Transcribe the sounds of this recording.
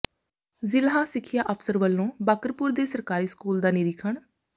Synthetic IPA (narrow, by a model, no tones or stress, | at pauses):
zɪlɦãːsɪkʰːɪjaːʔəpʰsəɾʋəlːõːbaːkəɾpuːɾd̪eːsəɾkaːɾiːskuːld̪aːniːɾɪkʰəɳ